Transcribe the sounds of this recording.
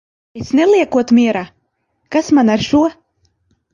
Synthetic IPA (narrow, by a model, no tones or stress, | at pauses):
esnelˠiɛkuɔt̪mʲiɛɾa | kasmanaɾʃuɔ